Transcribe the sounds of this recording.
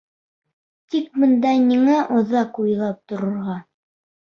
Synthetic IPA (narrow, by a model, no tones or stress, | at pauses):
t̪ik̚bɤ̆nd̪ɑniŋæʔŏðɑqujlˠɑp̚t̪ŏɾŏɾʁɑ